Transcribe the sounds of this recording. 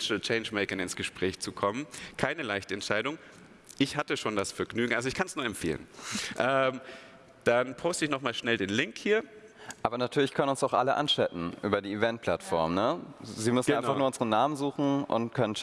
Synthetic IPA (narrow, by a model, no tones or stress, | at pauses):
ʃlt͡ʃɛɪnd͡ʒmɛɪkɪŋɪnsɡ̥əʃpʁ̥ɛːçt͡sukʰɔmənkʰaɪnəlaɪçtəɛntʃaɪdʊŋ | ʔɪçhatəʃoːndasfɛɐɡnyːɡŋ̩ʔalzoɪçkʰansnuːɐɛmfeːlə̰nʔɛm | d̥anpʰoʊstəɪçnɔχmaːlʃnɛldeːnlɪŋkhiːɐʔaːbɐnatʰyːɐlɪçkʰœnənʊnsaʊxʔa̰ləʔa̰nt͡ʃɛtn̩ʔyːbɐdiːivɛnt̚pʰl̥atfɔɐmnəziːmʏsn̩ʔaɪnfaχnuːɐʊnzəʁənaːmənzuːxn̩ʔʊ̰ntkʰœnən